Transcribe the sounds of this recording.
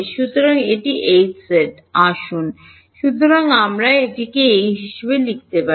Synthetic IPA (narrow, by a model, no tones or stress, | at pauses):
ʃut̪ːoɾaŋeʈiʔejseʈ | aʃun | ʃut̪ːoɾaŋamɾaeʈikeejɦiʃebelik̚t̪epa